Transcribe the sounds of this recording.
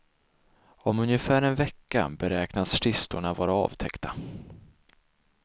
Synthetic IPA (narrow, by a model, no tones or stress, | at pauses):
ɔmɵnjəfæːɾɛnvɛkːa̰bɛɾɛːknasʂɪst̪ʊɳavɑːɾaɑ̰ːvt̪ʰɛkt̪a